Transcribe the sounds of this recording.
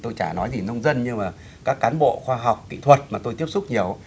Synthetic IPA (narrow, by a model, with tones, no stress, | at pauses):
t̪o˧jt͡ɕaː˧˩nɔ˨˦jzi˨˩nə˧wŋ͡mzə˧nɲɨ˧maː˨˩ | kaː˦˥kːaː˨˦nɓo̰˧˨xwaː˧ɦa˨˩wk͡p̚kḭ˧˨t̪ʰwə˨˩t̚maː˨˩t̪o˧jt̪i˦˥əpsʊ˦˥k͡p̚ɲi˨˩əw